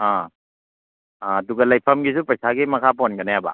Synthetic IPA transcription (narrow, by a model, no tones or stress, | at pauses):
a | duɡɐlajpʰɐmɡisupɾɐjsaɡimɐkʰapɔnɡɐnajaba̰